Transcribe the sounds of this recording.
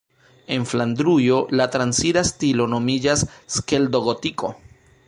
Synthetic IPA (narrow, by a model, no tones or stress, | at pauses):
e̞nfland̪ɾujo̞latɾansiɾastilo̞no̞mid͡ʒasːkeldo̞ɡotiko̞̰